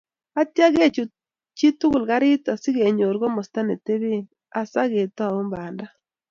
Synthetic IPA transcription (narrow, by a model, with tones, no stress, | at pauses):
a˦tja˦ɡe˦˨t͡ʃu˨ | t͡ʃi˦tu˦ɡʊ˨lɡa˦ɾɪ˦ta˨sɪ˦ɡe˨ɲo˨ɾɡɔ˦mɔ˨sta˦ne˨te˦βe˦n | a˨sa˦ɣe˨tɔ˦a˨u˦mba˨nda˦